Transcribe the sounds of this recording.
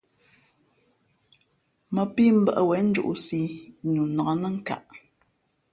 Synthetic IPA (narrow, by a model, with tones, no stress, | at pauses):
mə˨pi˦m̩˦bə˦ʔə˦wɛ˨˦n̩˦d͡ʒṵ˦ʔu˦˨si˦ɲu˨nɔ˨nə˦ŋ̩˦ka̰˨ʔ